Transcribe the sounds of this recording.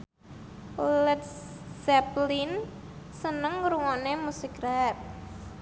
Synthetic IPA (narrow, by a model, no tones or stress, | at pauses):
ulət̪̚ | sɛplin | sənəŋɾuŋɔnemusikrap̚